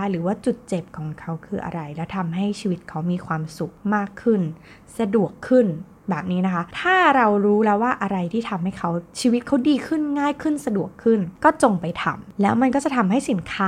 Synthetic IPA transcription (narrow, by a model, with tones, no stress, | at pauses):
ɾɯː˩˦waː˥˩t͡ɕu˨˩t̪̚t͡ɕe˨˩p̚kʰɔː˩˦ŋkʰa˦˥wkʰɯː˧ʔa̰˧ɾa˧jlɛː˦˥wt̪ʰa˧mɦa˥˩jt͡ɕʰiː˧wi˦˥t̪̚kʰa˦˥wmiː˧kʰwaː˧msu˨˩k̚maː˥˩kʰːɯ˥˩n | sa˧du˨˩əkʰːɯ˥˩n | bɛː˨˩p̚niː˦˥na˦˥kʰa˦˥t̪ʰaː˥˩ɾa˧wɾuː˦˥lɛː˦˥waː˥˩ʔa˧ɾa˧jt̪ʰiː˥˩t̪ʰa˧mha˥˩jkʰa˦˥wt͡ɕʰiː˧wt̪̚kʰa˦˥wdiː˧kʰɯ˥˩nŋaː˥˩jkʰɯ˥˩nsa˧du˨˩əkʰːɯ˥˩nkɔː˥˩t͡ɕo˧ŋpa˧jt̪ʰa̰˧mlɛː˦˥wma˧nkɔː˥˩t͡ɕa˨˩t̪ʰa˧mɦa˥˩jsi˩˦nkʰaː˦˥